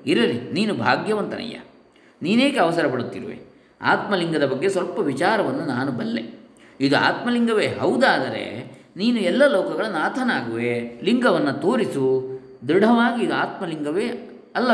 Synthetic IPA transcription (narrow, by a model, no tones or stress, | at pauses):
iɾɐliniːnubʱaːɡjɐʋɐnt̪ɐnɐ̰jːɐ̰ | niːneːkeɐʋɐsɐɾɐpɐɽut̪ːḭɾʋḛ | a̰ːt̪mɐliŋɡɐd̪ɐbɐɡːesʋɐlpɐʋit͡ʃaːɾɐʋɐnːunaːnubɐlːe̞̰ | id̪ua̰ːt̪mɐliŋɡɐʋeːɦɐwd̪aːd̪ɐɾe̞̰niːnuɛlːɐlɐwkɐɡɐɭunaːt̪ʰɐnaːɡuʋeliŋɡɐʋɐnːɐt̪oːɾisu | d̪uɽɐʋaːɡiːd̪uaːt̪mɐliŋɡɐʋeː | ɐlːɐ